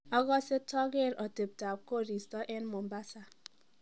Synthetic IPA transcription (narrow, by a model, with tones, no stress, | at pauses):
ɔ˦ɣɔ˦se˦tʰɔ˦ɡe˦˨ɾɔ˨te˨b̚ta˨p̚ko˦˨ɾi˨stɔ˦ʔe˦nmo˨mba˦sa˦